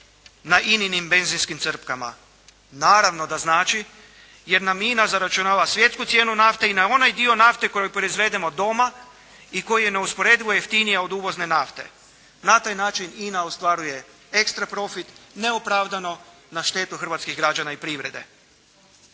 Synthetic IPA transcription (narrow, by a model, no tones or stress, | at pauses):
naʔininimbe̞nzinskimt̪sr̩pkama̰ | naːɾaʋno̞d̪aznaːt͡ʃi | je̞ɾnaminazaɾat͡ʃunaːʋasʋje̞t̪skut̪sje̞ːnunaft̪e̞inao̞najd̪io̞naft̪e̞ko̞jojpɾoizʋe̞d̪e̞mo̞d̪o̞ma | iko̞jijene̞uspo̞ɾe̞d̪iʋo̞jeft̪inijao̞d̪uːʋo̞zne̞naft̪e̞̰ | nat̪aːjnaːt͡ʃininaost̪ʋaɾuje̞ | ekst̪ɾapɾo̞fit̪ne̞opɾaːʋd̪ano̞ | naʃt̪e̞ːt̪uxr̩ʋat̪skiɣɡɾad͡ʒanaipɾiʋɾe̞d̪e̞̰